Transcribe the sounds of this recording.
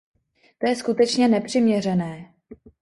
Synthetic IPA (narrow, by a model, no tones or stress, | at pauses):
t̪o̞jɛskut̪ɛt͡ʃɲɛnɛpr̝̥ɪmɲɛr̝ɛnɛː